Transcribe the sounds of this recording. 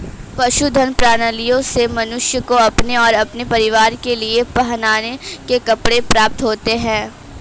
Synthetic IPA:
pɐʃud̪ʱɐnpɾaːnəlijõsemɐnʊʃjəkoɐpneɔːɾɐpnepɐɾɪʋaːɾkeliepɐɦnaːnekekɐpɽepɾaːp̚t̪ɦoːt̪eɦɛ̃ː

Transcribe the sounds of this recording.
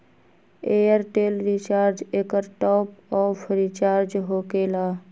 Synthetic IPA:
eːjəɾʈeːlɾit͡ʃaːɾd͡ʒeːkəɾʈɔːpɔːfʰɾit͡ʃaːɾd͡ʒɦoːkeːlaː

